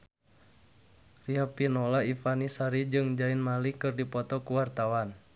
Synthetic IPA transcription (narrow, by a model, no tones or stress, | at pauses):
riapinɔlaifanisaɾid͡ʒɨŋd͡ʒainmalikɨrdipɔt̪ɔkuwart̪awan